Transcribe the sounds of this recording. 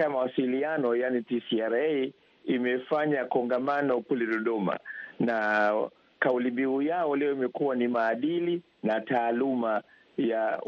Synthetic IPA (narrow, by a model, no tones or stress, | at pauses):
mawasilianɔjanitisiaɾɛ | imɛfaɲakɔŋɡamanɔkulɛɗɔɗɔma̰na | kaulimbiujaɔlɛɔimɛkuwanimaːɗili | nataːluma | ja